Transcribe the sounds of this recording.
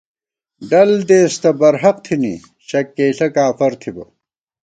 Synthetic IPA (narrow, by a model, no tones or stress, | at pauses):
ɖɐld̪eːst̪ɐbɐɾɦɐq̚t̪ʰinḭ | ɕɐkːeːɬɐkaːfɐɾt̪ʰibɐ̰